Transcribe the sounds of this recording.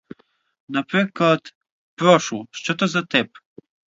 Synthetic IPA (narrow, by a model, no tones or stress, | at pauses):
napɾɛkat̪ | pɾɔʃlˠʃt̪ɔt̪ɔzat̪ɛp̚